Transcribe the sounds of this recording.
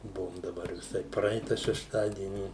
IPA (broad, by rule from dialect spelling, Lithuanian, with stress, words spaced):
ˈbʊʋoːm dɐˈbɐr ʋʲɪˈsɐɪ ˈprɐɪtɐ ʃʲɛʃˈtɑːdʲiɛnʲɪ